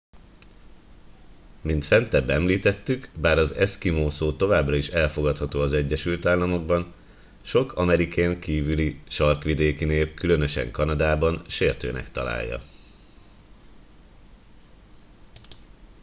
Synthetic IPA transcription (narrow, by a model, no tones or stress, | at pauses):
mint̪fɛnt̪ɛbːɛmliːt̪ɛt̪ːykbaːɾɒzɛ̰skimoːsoːt̪o̞vaːbrɒiʃɛlfo̞ɡɒt̪hɒt̪oːɒzɛɟːɛʃylt̪aːlːɒmo̞ɡ̚bɒn | ʃo̞kʰɒmɛɾikejŋkiːvyliʃɒrkʋid̪eːkineːp̚kylø̞nø̞ʃɛ̰ŋkɒnɒd̪aːbɒnʃeːrt̪ø̰ːnʔɛ̰kt̪ɒ̰la̰ːjːɒ̰